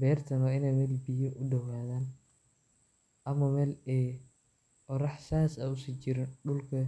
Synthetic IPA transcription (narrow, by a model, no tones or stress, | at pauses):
bɛːrt̪ʰɐnwaːɪnɛjmɛːlbijɐʔʊɖɐwaːðaːn | ʔɐmɐmɛːlɛ | ɔɾɐħsaːsɐʊsiːt͡ʃɪɾɪnɖʊlkʰɐ